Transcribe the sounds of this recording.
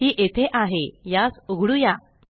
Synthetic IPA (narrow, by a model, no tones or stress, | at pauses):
iːʔet̪ʰeʔaɦejasuɡʱɽuja